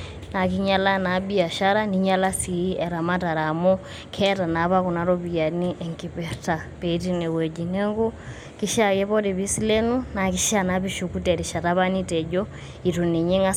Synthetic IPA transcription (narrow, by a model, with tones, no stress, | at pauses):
na˨ki˦ɲa˦la˦na˨˦bi˦˨a˨ʃa˦ɾa˦ni˨ɲa˦la˦si˨˦ɛ˨ɾa˨ma˦ta˨ɾa˨mɔ˦ | kʰɛ˦ta˨na˨˦βa˦ku˨na˨˦ɾo˦pi˨ja˨ni˦ʔɛ˨ŋki˨pɛ˨ɾta˨pe˨˦ti˦ne˨we˨d͡ʒi˨ne˦ŋɡu˦ | ki˦ʃa˦˨kɛ˦pɔ˦de˨βi˦si˦le˦nu˦na˨ki˦ʃa˨na˨pi˦ʃu˨ku˦tɛ˨ɾi˨ʃa˨ta˦βa˦ni˦tɛ˨d͡ʒɔ˦ | i˨tu˨ni˨ɲe˦ŋa˦